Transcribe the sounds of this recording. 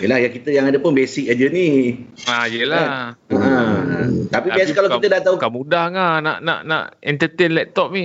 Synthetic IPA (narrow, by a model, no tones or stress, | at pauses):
jəlahjaŋkit̪əjãŋadəpʊnbesik̚ad͡ʒəni | ajəlaəʔə̃ | t̪apibasəkalawkit̪ədat̪aukamudahŋana̰ʔna̰ʔna̰ʔɛnt̪ət̪enlɛt̪ɔp̚nĩ